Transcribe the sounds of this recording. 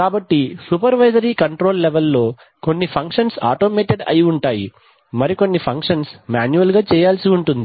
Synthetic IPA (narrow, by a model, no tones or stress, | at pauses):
kaːbɐʈːisupɐɾʋɐjzɐɾiːkɐɳʈɾo̞ːlːeʋelːo̞ː | ko̞nːipʰɐŋkʂɐnsa̰ːʈoːmeːʈeɖɐ̰jiuɳʈaːjḭ | mɐɾiko̞nːipʰɐŋkʂɐnsmaːnjuɐlɡaːt͡ʃɛːjaːlsiuɳʈund̪i